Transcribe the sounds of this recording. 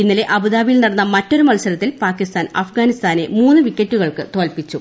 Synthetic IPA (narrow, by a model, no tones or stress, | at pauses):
inːɐleʔɐbɨðaːʋijilnɐɽɐnːɐmɐtːo̞ɾumɐlsɐɾɐt̪ːilpaːkːist̪aːnɐ̰fɡaːnist̪aːne̞muːnːɨʋikʲːɐtːuɣɐɭkɨt̪oːlpit͡ɕːu